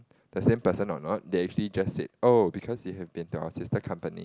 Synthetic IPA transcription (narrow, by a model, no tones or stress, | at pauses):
d̥əsẽmpəsə̃nɔ̰nɔt̚deɛk̚t͡ʃuəlid͡ʒassḛt̚obikʰɔsjiɦɛvbĩntua̰ʊəsistəkʰãmpənḭ